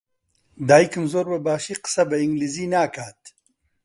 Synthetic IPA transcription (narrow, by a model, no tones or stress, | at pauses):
d̪aːikɐmzoːɾbɐbaːʃiqə̥sɐbɐiŋɡlizinaːkaːt̪